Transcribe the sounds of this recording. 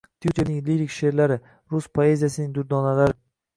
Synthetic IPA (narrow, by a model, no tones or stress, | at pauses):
t̪ʰjut̪ʰe̞ɾnɪŋliɾikʲʃe̞ɾlaɾɪ | ɾʊspʰoe̞zijasɪnɪŋd̪ʊɾd̪ɒnalaɾɪ